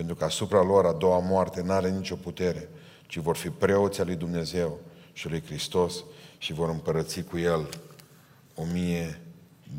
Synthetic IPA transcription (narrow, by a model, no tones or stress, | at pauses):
pent̪ɾukəasupɾalo̞ɾad̪o̞wamoart̪e̞naɾe̞nit͡ʃo̞put̪e̞ɾe̞ | t͡ʃivo̞rfipɾe̞o̞t̪sʲalujd̪umne̞ze̞wʃialujkɾist̪o̞sʃivo̞ɾɨmpəɾət̪sikuje̞l | o̞mije